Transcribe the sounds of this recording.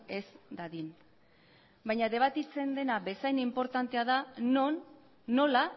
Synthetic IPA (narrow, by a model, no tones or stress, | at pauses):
e̞sd̪aðin | bajɲaðe̞β̞at̪it͡se̞nd̪e̞naβe̞sajnimpo̞ɾt̪ant̪e̞aða | ola